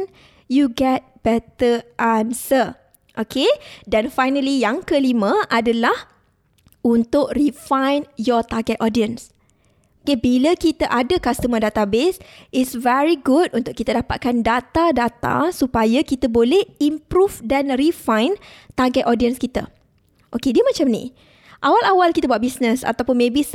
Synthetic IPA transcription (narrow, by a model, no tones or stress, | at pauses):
n | juɡɛt̚b̥ɛt̪əʔansə | ʔokʰedanfajnəlijaŋkəlimə̃ʔadalah | unt̪ʊʔrifãjnjɔt̪aɡɛt̪̚ɔdiəns | okebiləkit̪aʔadəkast̪əmə̃dat̪abesʔisvɛɹiɡutunt̪ʊʔ̚kit̪ədapat̪̚kandat̪adat̪a̰supajəkit̪əbolɛhimpɾufdanrifãjnt̪aɡɛt̪ɔdiənskit̪ə̰ | ʔokediəmãt͡ʃamnḭ̃ | ʔawalawalkit̪əbuwaʔ̚bisnə̃sa̰t̪awpʊnmẽbis